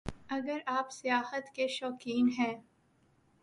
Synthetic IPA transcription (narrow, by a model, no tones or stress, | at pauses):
ɐɡəɾaːpsijaːhət̪keʃɔːkiːnɦɛ̃ː